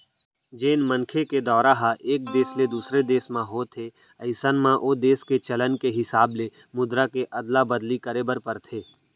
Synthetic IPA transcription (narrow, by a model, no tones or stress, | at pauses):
d͡ʒeːnmənkʰeked̪ɔːɾaɦaʔeːk̚d̪eːsled̪uːsɾed̪eːsmãɦoːt̪ʰe | ɐɪsənmãʔoːd̪eːsket͡ʃɐlənkeɦɪsaːble | mʊd̪ɾakeʔɐd̪labəd̪likəɾeːbəɾpəɾt̪ʰeː